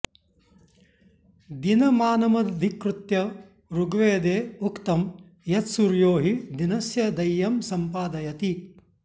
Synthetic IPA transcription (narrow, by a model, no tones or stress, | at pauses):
d̪inɐmaːnɐmɐd̪ʱikɾut̪jɐ | ɾuɡʋeːd̪eːukt̪ɐm | jɐt̪suɾjoːɦid̪inɐsjɐd̪ɐjːɐmsɐmpaːd̪ɐjɐt̪i